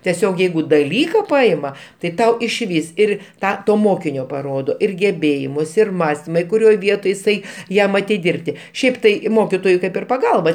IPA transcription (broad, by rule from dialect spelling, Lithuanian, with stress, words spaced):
tʲɛˈsʲoːk ˈjɛɪɡʊ dɐˈlʲiːkɐ ˈpɐɪmɐ tɐɪ ˈtɐʊ ɪʃʲˈʋʲiːs ˈɪr ˈtɑː ˈtoː ˈmoːkʲɪnʲoː pɐˈroːdoː ɪr ɡʲɛˈbʲeːjɪmʊs ɪr ˈmɑːsʲtʲɪmɐ ɪ kʊˈrʲoːj ˈʋʲiɛtoːj ɪˈsɐɪ ˈjɛm ɐtʲɪˈdʲɪrʲpʲtʲɪ ˈʃʲɛɪp tɐɪ ˈmoːkʲɪtoːjʊɪ ˈkɐɪp ɪr pɐˈɡɐlˠbɐ